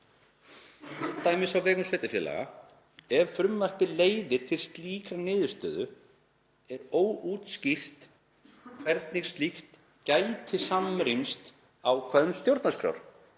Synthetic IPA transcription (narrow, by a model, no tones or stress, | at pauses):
t̪ːaːjmɪsawvɛːkʏmsvɛːjt̪ɪfjɛːla̰ɣa̰ | ɛvfɾʏmvar̥pɪleːjðɪɾ̥t̪ʰɪlst̪liːkɾanɪːðʏst̪œːðʏ | ɛɾoːwuːt̪scir̥t̪ | kʰvɛɾt̪̚niɣst̪lixt̪ | caːjt̪ʰɪsamɾimst̪ | awkʰvœðʏmst̪jowɾt̪naskɾa̰wɾ̥